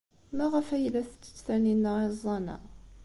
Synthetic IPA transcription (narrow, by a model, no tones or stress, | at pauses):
mæʁəfæjlːæθt͡sːə̥t͡sːθæninːəezˤːɑnæ̰